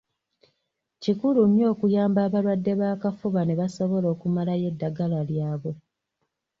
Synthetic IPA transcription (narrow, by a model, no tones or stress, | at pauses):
cikuluɲjo̞ːkujaːmbaːβalwadːe̞βaːkafuβaneβaso̞βo̞lo̞ːkumalaje̞dːaɡalaljaːβo̞